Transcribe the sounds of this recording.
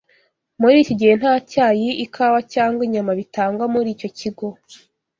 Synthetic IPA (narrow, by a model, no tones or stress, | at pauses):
muɾiːcoɟihe̞n̥haːcaːjiikʰawacaːŋɡwiɲamaβitaːŋɡwamuɾiːco̞ciɡo̞